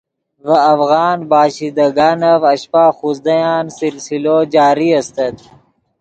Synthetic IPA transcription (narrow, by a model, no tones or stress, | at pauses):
vɐːfɣɑːnbaːɕid̪ɐɡaːnɐvɐɕpaːxuzd̪ɐjaːnsilsiloːd͡ʒaːɾiɐst̪ɐt̪̚